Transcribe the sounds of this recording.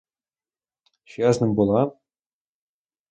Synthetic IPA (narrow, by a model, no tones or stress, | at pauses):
ɕɑznɤ̆mbulˠɑ